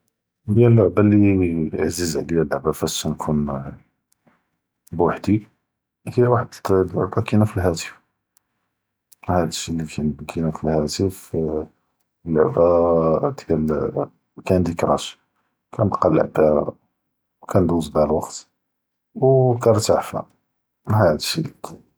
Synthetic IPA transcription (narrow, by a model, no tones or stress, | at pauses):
ljælːʊʕbæliʕzəzʕlijælːʊʕbæfæsːænkʰun | bwaħd̪i | hilwaħəd̪lə̰bɑkinæfilɦæt̪ə̥f | hæd̪əʃːilikʰænkʰinæfilhæt̪əf | lːəʕbæd̪æl | kænd̪ikɾˤɑ̰ʃ | kʰænt̪qɑlːə̰ʕb̪æ̰ | wkænd̪uzd̪ælwɑqt̪ | wkæɾɾt̪aʕfæ̰ | hæd̪əʃḭl